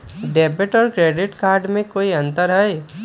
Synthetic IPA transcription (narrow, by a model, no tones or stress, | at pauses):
ɖɛːbəʈɔːɾkɾeːɖɪʈkaːɾɖmẽkoːiɐ̃nt̪əɾɦɛe